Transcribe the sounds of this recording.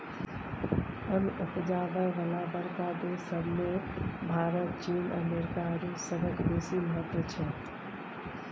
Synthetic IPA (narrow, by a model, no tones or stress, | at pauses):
ənupd͡ʒabəeʋəlabəɾkad̪esəbʱmebʱaɾət̪̚t͡ʃinə̰meɾkaɾusəbəkb̪esiməɦət̪ʋət͡ʃʰɛ